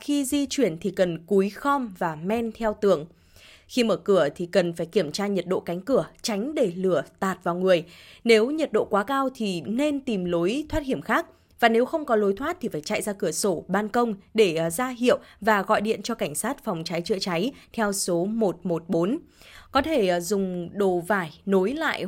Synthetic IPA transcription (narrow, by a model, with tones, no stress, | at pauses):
xi˧zi˧t͡ɕwi˧˩ənt̪ʰi˨˩kə˨˩nku˨˦jxɔ˧mvaː˨˩mɛ˧nt̪ʰɛ˧wt̪ɨ˨˩əŋ | xi˧məː˧˩kɨ˧˩ət̪ʰi˨˩kə˨˩nfaː˧˩jki˧˩əmt͡ɕaː˧ɲə˨˩t̚ɗo̰˧˨ka˨˦jŋ̟kɨ˧˩ət͡ɕa˨˦jŋ̟ɗe˧˩lɨ˧˩ət̪aː˨˩t̚vaː˨˩wŋɨ˨˩əjne˨˦wɲə˨˩t̚ɗo̰˧˨kwaː˨˦kaː˧wt̪ʰi˨˩ne˧nt̪i˨˩mlo˨˦jt̪ʰwaː˦˥t̚hi˧˩əmxaː˦˥k̚ | vaː˨˩ne˨˦wxə˧wŋ͡mkɔ˨˦lo˨˦jt̪ʰwa˦˥t̚t̪ʰi˨˩faː˧˩jt͡ɕa̰˧˨jzaː˧kɨ˧˩əso˧˩ɓaː˧nkə˧wŋ͡mɗe˧˩zaː˧ɦḭ˧˨ə˨wvaː˨˩ɣɔ̰˧˨jɗḭ˧˨ənt͡ɕɔ˧ka˧˩jŋ̟saː˦˥t̚fa˨˩wŋ͡mt͡ɕa˨˦jt͡ɕɨ̰˧˨ət͡ɕa˨˦jt̪ʰɛ˧wso˨˦mo˨˩t̚mo˨˩t̚ɓo˨˦nkɔ˨˦t̪ʰe˧˩zʊ˨˩ŋ͡mɗo˧˩vaː˧˩jno˨˦jla̰ː˧˨jʔ